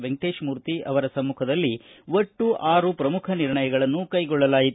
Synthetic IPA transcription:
ʋeŋʈeːʃmuːɾt̪iʔɐ̰ʋɐɾɐsɐmːukʰɐd̪ɐlːiʋoʈːuʔaːɾupɾɐmukʰɐniɾɳɐjɐɡɐɭɐnːukɐjɡɔɭːɐlaːjit̪

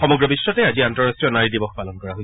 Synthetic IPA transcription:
xɔmɔɡɹɔbisːɔtɛaziantɔɹastɹijɔnaɹidibɔxpalɔnkɔɹaɦoj

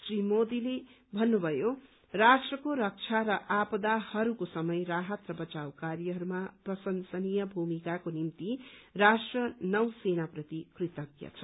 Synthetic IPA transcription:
srimod̪ile | bʱʌnːubʱʌjo | rasʈrʌkoɾʌk̚t͡sʰaɾʌʔapd̪ahʌɾukosʌmʌjraɦʌt̪rʌbʌt͡sawkarjʌɦʌɾumaprʌsʌnsʌnijʌbʱumikakonimt̪irasʈrʌnʌwsenaprʌt̪ikrit̪ʌkjʌ̰t͡sʰʌ̥

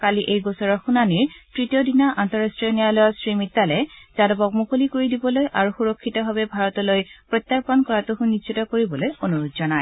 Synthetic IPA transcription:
kaliʔejɡɔsɔɹɔxunaniɹtɹitijɔdinaʔantɔɹastɹiɔnijalɔjɔsɹimitːalɛzadɔbɔk̚mukolikoɹidibɔlojʔaɹuxuɹɔkʰːitɔbabɛbʱaɹɔtɔlojpɹɔt̪ːaɹpɔnkɔɹatuɦunːissitɔkoɹibɔlojonuɹutzɔnaj

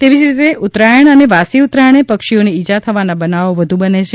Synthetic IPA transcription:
t̪eʋid͡ʒɾit̪eʔut̪ɾajəɳ̃əneʋasiut̪ɾajəɽ̃epəkʃioniid͡ʒat̪ʰəʋanabənaʋoʋəd̪ʱũbənet͡ʃʰe

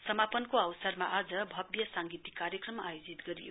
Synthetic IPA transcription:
sʌmapʌnkoawsʌrmaʔad͡zʌbʱʌbjʌsaŋɡit̪ikːarjʌkrʌmajod͡zit̪ɡʌɾijo̰

